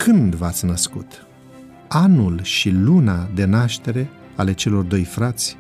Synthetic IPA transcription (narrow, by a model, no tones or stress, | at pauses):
kɨnd̪vat̪sʲnəskut̪ | anulʃilunad̪e̞naʃt̪e̞ɾe̞ | ale̞t͡ʃe̞lo̞rd̪o̞jfɾat̪sʲ